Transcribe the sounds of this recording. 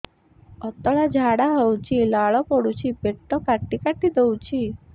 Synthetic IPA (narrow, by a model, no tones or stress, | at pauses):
ɔt̪ɔɭad͡ʒʱaɽaɦəwt͡ʃʰilaɭɔpɔɽut͡ʃʰipeʈt̪ɔkaʈːikaʈid̪ɔwt͡ʃʰi